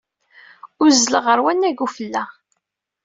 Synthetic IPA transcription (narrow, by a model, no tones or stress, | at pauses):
ʊɾzələʁəɾwænːæɡufəlːæ